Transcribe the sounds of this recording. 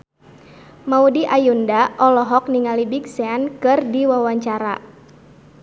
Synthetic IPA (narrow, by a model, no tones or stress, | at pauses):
maudiʔajundaʔɔlɔɦɔk̚niŋalibiksɛankɨrdiwawaɲt͡ʃaɾa